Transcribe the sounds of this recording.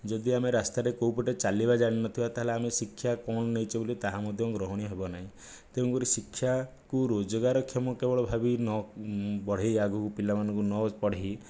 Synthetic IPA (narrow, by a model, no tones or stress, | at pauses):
d͡ʒɔd̪iameɾast̪aɾekowpɔʈet͡ʃalibad͡ʒaɽ̃inɔt̪ʰibat̪aɦeleamesikʰːjakɔɳ̃ɔnejt͡ʃʰibolit̪aɦamɔd̪ʱjɔɡɾɔɦɔɽ̃iɦebɔnaɦĩ | t̪eũŋkuɾisikʰːja | kuɾod͡ʒɔɡaɾɔkʰːjɔmɔkebɔɭɔbʱabinɔbɔɽ̤ejaɡʱukupilamanɔ̃ŋkunɔpɔɽ̤eɦi